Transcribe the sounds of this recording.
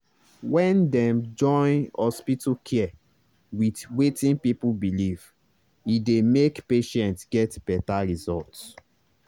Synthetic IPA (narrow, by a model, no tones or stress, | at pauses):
wɛ̃ndɛ̃md͡ʒɔ̃ɪ̃nhɔspitukʰɛɛ | widwetĩnpipubiliv | idemekpeʃɛ̃ntsɡɛtb̥ɛtaɹizɔlts